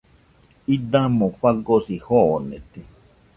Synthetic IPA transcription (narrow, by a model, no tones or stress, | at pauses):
id̪amoɸaɡosihonet̪i